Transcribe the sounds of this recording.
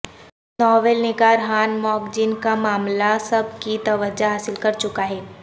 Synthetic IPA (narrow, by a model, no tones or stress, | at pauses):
nɔːʋeːlnɪɡaːɾɦaːnmɔːkd͡ʒinkamaːmlasɐb̚kit̪ɐʋəd͡ʒaɦaːsɪlkɐɾt͡ʃʊkaɦɛː